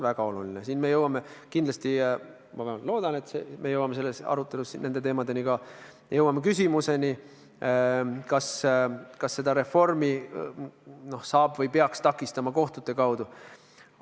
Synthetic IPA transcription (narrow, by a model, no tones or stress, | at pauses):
væɡ̥ɑo̞lulinesiːnme̞jɤwɑme̞kind̪lɑst̪i | mɑvɑlo̞ːd̪̥ɑne̞t̪semʔe̞jɤwɑmese̞lːe̞sɑ̰ɾut̪ːˑe̞lusine̞nd̪e̞t̪e̞ːmɑd̪e̞nikɑ | jɤwɑmekysʲimuse̞ni | kɑskɑsːe̞d̪ɑɾe̞fo̞rmi | no̞hsɑːbvɤjpe̞ɑkst̪ɑkːˑist̪ɑmɑko̞ht̪ud̪ːe̞kɑwd̪u